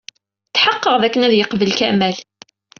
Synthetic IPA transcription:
t͡sːħɑqːəʁðækːənæðjəqvəlkæʔmæl

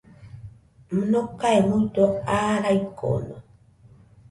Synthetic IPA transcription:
m̩nokaemut̪oaɾajko̰no

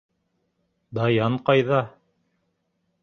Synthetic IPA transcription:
d̪ɑjɑɴqɑjðɑ

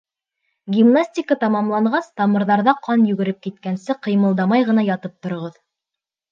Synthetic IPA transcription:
ɡʲimnasʲtʲikət̪ɑmɑmlˠɑɴɢɑst̪ɑmɤ̆ɾðɑɾðɑqʰɑnjʉɡɘ̆ɾɘp̚kit̪̚kænsɘqɤ̆jmɤ̆lˠd̪ɑmɑjʁɤ̆nɑjɑt̪ɤp̚t̪ŏɾŏʁɤð

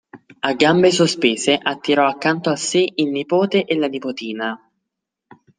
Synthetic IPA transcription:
aɡːambesospeːzeʔat̪ːiɾɔakːant̪oaseʔilnipoːt̪eʔelanipot̪iːna

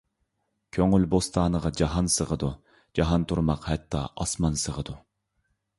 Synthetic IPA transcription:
kʲʰøŋylbost̪ʰɑːnəʁɑd͡ʒɑɦɑnsəʁəd̪u | d͡ʒɑɦɑnt̪ʰuɾmɑqhɛt̪ʰːɑ̰ʔɑsmɑnsəʁəd̪u

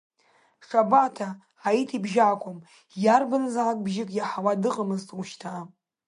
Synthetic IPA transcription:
ʂabatʰaː | itʰibʒaːkʷʼom | jarbanazalakʼbʒɪkʼjaħawadɨqʼamɨztʼuʃtʰa

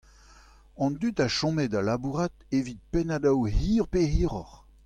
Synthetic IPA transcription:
ɑ̃nd̪yt̪aʃɔ̃mɛdalabuʁat̪ | evit̪̚penad̪awhiːʁpehiːʁɔχ

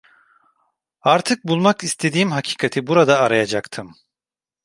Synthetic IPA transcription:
aɾt̪ʰɯk̚bulˠmakist̪ʰe̞d̪iːmɦacʰi̥ːkʰat̪ʰibuɾad̪aːɾajad͡ʒakt̪ʰɯm

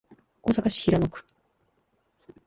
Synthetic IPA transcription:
o̞ːsakaɕi̥çiɾanokɯ̟̥

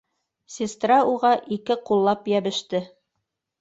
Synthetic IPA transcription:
sʲɪst̪rɑuʁɑʔikɘqulˠːɑpjæβɘ̆ʃt̪ɘ

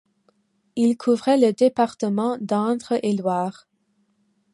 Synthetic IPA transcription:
ilkʰuvʁɛləd̪epaʁt̪əmɑ̃d̪ɑ̃t̪ʁəʔelwaːʁ

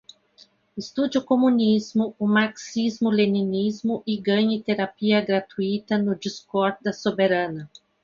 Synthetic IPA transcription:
ɪst̪ud͡ʒʊkomũnizmʊʊmaksizmʊlenĩnizmʊʔɪɡɐ̃ɲɪt̪eɾapiɐɡɾat̪uit̪ɐnʊd͡ʒiskɔɾd̪ɐsobeɾɐ̃nɐ

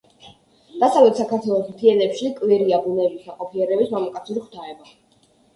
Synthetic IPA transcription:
d̪̥asavlɛt̪ʰsakʰaɾt̪ʰwɛlˠɔsmt̪ʰiɛnɛpʃikʼwɛɾiabunɛlisaqʼɔpʰiɛɾɛbismamakʼat̪sʰuɾχʰt̪ʰaɛba

